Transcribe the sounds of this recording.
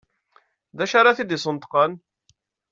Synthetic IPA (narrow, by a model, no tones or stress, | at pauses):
ðæʃaɾˤaθid̪isˤənt̪qən